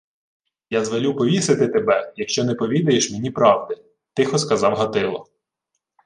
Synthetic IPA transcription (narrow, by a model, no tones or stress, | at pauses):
jazʋɔlʲupɔʋʲisɪt̪ɪt̪ebɛjɐkʃt͡ʃɔnɛpɔʋʲid̪ɐjeʃmenʲipɾɑwd̪ɪ | t̪ɪxɔskɐzɑwɦɐt̪ɪlˠɔ̰